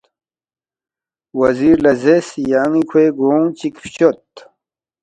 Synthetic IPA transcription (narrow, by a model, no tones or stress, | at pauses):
wɐziɾlɐzesjaːŋikʰweɡoːŋt͡ɕikft͡ɕot̪